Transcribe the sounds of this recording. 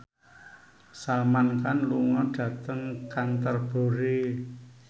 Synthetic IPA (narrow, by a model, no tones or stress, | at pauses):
samankanluŋɔɖ̥ä̤t̪əŋkant̪ərb̥o̤ɾe